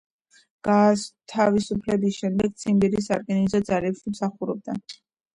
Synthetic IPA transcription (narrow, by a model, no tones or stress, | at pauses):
ɡ̥at̪ʰavisupʰlɛbisʃɛmd̪ɛɡt̪sʰimbiɾis̬aɾɡʼɛnizɔd̪zalɛpsmsaχuɾɔb̚d̪a̰